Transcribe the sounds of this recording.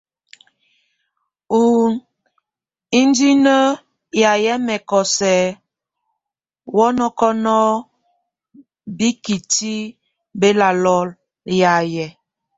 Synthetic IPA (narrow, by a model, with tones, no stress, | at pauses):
u˨n | i˦n˦di˦nə˦ | ja˨jɛ˦mɛ˨kɔ˨sɛ˨ | wɔ˦nɔ˦kɔ˦nɔ˦ | bi˦ki˨ti˦ | be˦la˨lɔ˦l | ja˨jɛ˨